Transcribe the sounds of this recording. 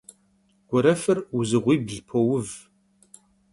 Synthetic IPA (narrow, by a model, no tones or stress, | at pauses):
ɡ̥ʷɔɾɐfɨrʊzɨʁʷiːbɮpʰowʊv